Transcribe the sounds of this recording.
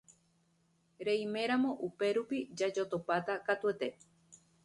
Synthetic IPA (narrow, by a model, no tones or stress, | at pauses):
ɾeimẽ̞ɾamõ̞ʔupe̞ɾupid͡ʒad͡ʒot̪opat̪akat̪uet̪e̞